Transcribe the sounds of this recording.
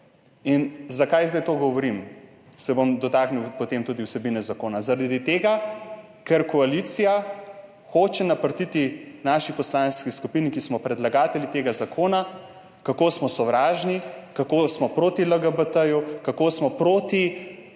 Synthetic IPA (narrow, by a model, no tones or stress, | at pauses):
inzakajzd̪ajt̪oɡɔʋɔɾim | sɛbomd̪ɔt̪aːkniwpɔt̪emt̪uːd̪iwsɛbinɛzakoːnazaɾad̪d̪it̪eːɡa | kɛɾkɔalit̪sija | xoːt͡ʃɛnapəɾt̪it̪inaːʃipɔslanskiskupinikismɔpɾɛd̪laɡaːt̪ɛlit̪eːɡazakʰoːna | kakoːsmɔsɔʋɾaːʒnikakoːsmɔpɾoːt̪iləɡəbət̪əjukakoːsmɔpɾoːt̪i